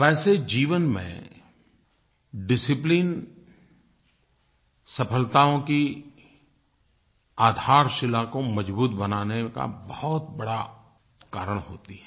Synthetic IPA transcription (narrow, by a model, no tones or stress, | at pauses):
ʋɛːsed͡ʒiːʋənmḛ̃ | ɖɪsɪpliːn | sɐpʰəlt̪aõki | aːd̪ʱaːɾʃɪlakomɐd͡ʒbuːt̪̚bɐnaːneka̰bɔɦɔt̪bɐɽa | ka̰ːɾəɽ̃ɦo̰ːt̪iɦɛː